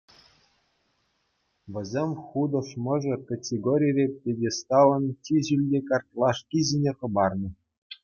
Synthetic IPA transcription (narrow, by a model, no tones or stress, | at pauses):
ʋʲɘ̆zʲemʲχud̪ɤ̆ʂmɤ̆ʐɤ̆kɑtʲeɡoɾʲijrʲepʲedʲest̪ɑlˠɤ̆ntʲiʑylʲdʲekɑrt̪ʲlˠɑʂkʲizʲinʲeχɤ̆bɑrnɤ̆